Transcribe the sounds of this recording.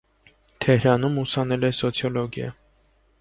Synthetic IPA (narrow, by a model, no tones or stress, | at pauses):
t̪ʰɛhɾɑnumusɑnɛlɛsɔt͡sʰjɔlɔɡjɑ̰